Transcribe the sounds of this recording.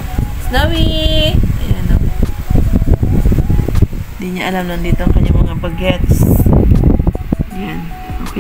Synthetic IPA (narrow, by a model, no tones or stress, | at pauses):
snawiʔɐjanɐ | hnd̪iɲaʔɐlamnond̪iːt̪oʔɐŋkɐɲːaŋmɐŋabɐɡɛt̪s | janʔoːke